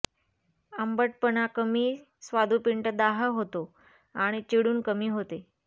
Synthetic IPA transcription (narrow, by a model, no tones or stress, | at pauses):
əmbəʈ̚pənakəmiː | sʋad̪ʱupiɳʈəd̪aɦəɦot̪o | aɽ̃it͡ɕiɽuːnkəmiːɦot̪e